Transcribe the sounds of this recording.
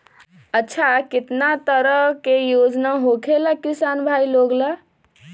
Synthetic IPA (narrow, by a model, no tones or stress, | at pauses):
ətːʃʰakɪt̪nat̪əɾəɦkejod͡ʒnaɦokʰelakisanbʱajloɡla